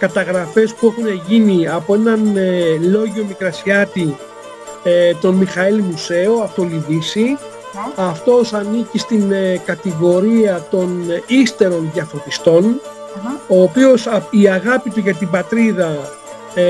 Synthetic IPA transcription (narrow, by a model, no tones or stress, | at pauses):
kɐt̪ɐɣɾɐfe̞spue̞xune̞ʝiniɐpo̞e̞nɐnelo̞ʝo̞mikɾɐsiɐt̪i | t̪o̞nmixɐilimuse̞oɐft̪o̞liðisi | ɐft̪o̞sɐnicist̪inkɐt̪iɣo̞ɾiɐt̪o̞nist̪e̞ɾo̞nðjɐfot̪ist̪o̞n | o̞ːpio̞siɐɣɐpit̪uʝɐt̪ibɐt̪ɾiðɐ